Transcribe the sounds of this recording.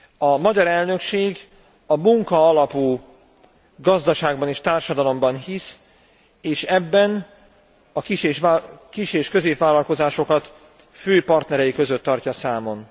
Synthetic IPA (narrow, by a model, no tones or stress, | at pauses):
ɒmɒɟɒɾɛlnø̞kʃeːɡ | ɒmuŋkɒɒlɒpuː | ɡɒzd̪ɒʃaːɡbɒneːʃt̪aːrʃɒd̪ɒlo̞mbɒnhis | eːʃɛbːɛn | ɒkiʃeʃkiʃeːʃkø̞zeːpvaːlɒlko̞zaːʃo̞kɒt̪ | føːpɒrt̪nɛɾɛjikø̞zøt̪ːɒrcɒsaːmo̞n